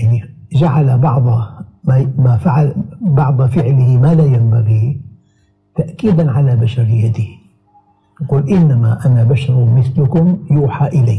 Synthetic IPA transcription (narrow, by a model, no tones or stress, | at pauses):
jani | d͡ʒaʕalabɑʕd̪ˤɑmamafaʕalbɑʕd̪ˤɑfɪʕlɪhɪmalaːjambaɣi | t̪aʔkiːd̪anʕalabaʃɑɾˤjad̪i | nquːlʔɪnːamaʔanabaʃɑɾˤmɪθlʊkʊmjuːħaʔɪlaː